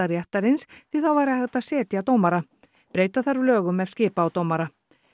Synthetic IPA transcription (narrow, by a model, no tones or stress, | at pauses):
aɾjɛht̪aɾɪnsθvɪð̥θawvaːjɾahɛɣt̪asɛːt̪jat̪oːwmaɾa | pɾeːjt̪aθaɾʏlœːɣʏmɛvscɪːpaːwt̪owmaɾa